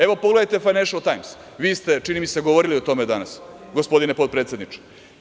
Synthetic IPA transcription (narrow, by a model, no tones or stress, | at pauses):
eʋopoɡled̪ajt̪e̞fajneʃalt̪ajms | ʋiːst̪e̞t͡ʃinimise̞ɡoʋoɾiliot̪o̞med̪anas | ɡospo̞d̪inepo̞d̪pɾet̪se̞d̪nit͡ʂe̥